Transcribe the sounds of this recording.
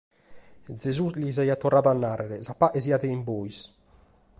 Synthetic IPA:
d̪zezuslizajat̪ɔraðanːareɾɛzapːaʔeziaðeimbojs

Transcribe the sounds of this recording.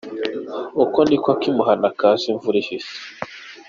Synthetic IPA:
ukonikwakimuhanakasiɱvuɾiʃise̥

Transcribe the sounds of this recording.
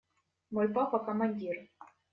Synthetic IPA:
mɔjpapɐkɐmanʲdʲir

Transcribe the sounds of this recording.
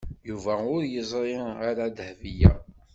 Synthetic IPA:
juvæʊɾjəzˤɾˤiaɾad̪hvijæ̰

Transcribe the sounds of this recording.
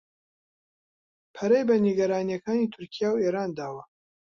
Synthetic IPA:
pʰɐɾɐjbɐniɡɐɾaːnijɐkaːniːt̪ʰʊɾkʰijaːweɾaːnd̪aːwɐ

